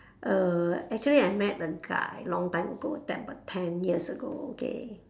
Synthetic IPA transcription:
ʔəɛk̚t͡ʃuəliajmɛt̚dəɡa̰jlɔ̃ŋtãɪ̃məɡotɛ̰̃p̚bətʰɛ̃njiəsəɡo̰okḛ

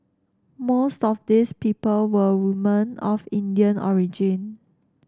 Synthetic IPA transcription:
mostɔfdispipəlwəwumə̃nɔfĩndiə̃nɔ̰ɹid͡ʒĩn

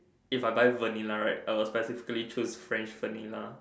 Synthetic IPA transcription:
ifaɪbaɪvənilaɹaɪt̚aɪwɔlspɛsifi̥kəlit͡ʃʰosfɹɛ̃nt͡ʃvənila

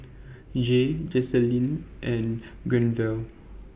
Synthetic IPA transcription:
d͡ʒed͡ʒɛsɛlĩnʔɛ̃n | ɡɹɛ̃nvɛl

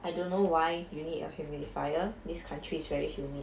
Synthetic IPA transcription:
ʔajdõnːowajjunitɔ̰humjilifajədiskʰãntʰɹiːsvɛɹihjumĩ

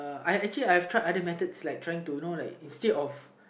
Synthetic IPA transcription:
ajɛk̚t͡ʃəliajhɛftʰɹajʔadəmɛt̪ətslaɪk̚tʰɹajɪ̃ŋtunolaɪkĩnstedɔf

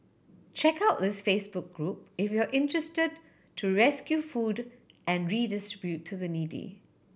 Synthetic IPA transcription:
t͡ʃɛkaʊt̚ðɪsfesbʊk̚ɡ̥ɹup̚ɪfjuəʔɪ̃ntɹɛstəd | tʰuɹɛskjufud | ʔɛ̃nɹidɪstɹɪbjutʰːuðənidḭ

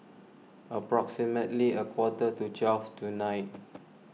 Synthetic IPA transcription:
əpɹɔksimətliəkʰwɔtətut͡ʃɛlftʰunaɪt̚

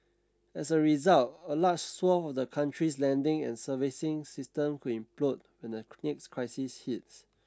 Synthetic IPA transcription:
ɛsəɹizaltəlad͡ʒswɔfɔfdəkʰãntɹislɛ̃ndɪ̃ŋɛ̰̃nsəvisɪ̃ŋsistə̃mkʰudĩmplod̚ | wɛ̃ndənekskʰɹaɪsishits

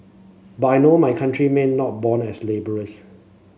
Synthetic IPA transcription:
batajnomajkʰãntɹimẽnːɔt̚bɔ̃nɛslebəɹəs

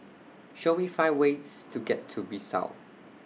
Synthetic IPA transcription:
ʃomifaɪwestʰuɡɛtʰːubisa̰ʊ

